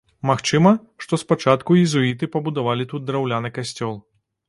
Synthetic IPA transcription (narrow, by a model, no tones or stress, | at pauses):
maxt͡ʂɨmɐ | ʂt̪ɔspat͡ʂat̪kuizuit̪ɨpɐbud̪avalʲit̪ut̪̚d̪ɾawlʲanɨkasʲt͡sʲɔlˠ